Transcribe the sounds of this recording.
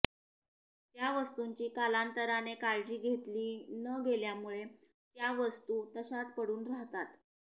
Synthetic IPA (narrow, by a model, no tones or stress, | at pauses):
t̪jaʋəst̪uɲt͡ɕiːkalant̪əɾanekaɭd͡ʑiːɡʱet̪liːnəɡeljamuɭe | t̪jaʋəst̪ut̪əɕat͡spəɽuːnɾaɦt̪at̪